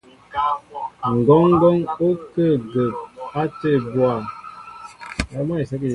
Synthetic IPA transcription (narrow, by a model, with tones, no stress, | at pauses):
ŋ̩˨ɡɔ˦ŋ˦ɡɔ˦ŋo˦kə˦˨ɡə˨p̚a˦te˦˨bwa˨ | ja˨˦m˦a˦i˨sa˦k